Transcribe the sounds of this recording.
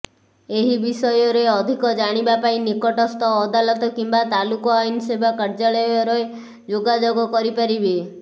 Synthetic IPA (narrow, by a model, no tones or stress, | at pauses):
eɦibisɔjɔɾeeɔd̪ʱikɔd͡ʒaɽ̃ibapaĩnikɔʈɔst̪ʰɔːd̪alɔt̪ɔkimbat̪alukɔajnsebʱakɔɾd͡ʒaɭɔjɔɾɔe | d͡ʒoɡad͡ʒoɡɔkɔɾipaɾibi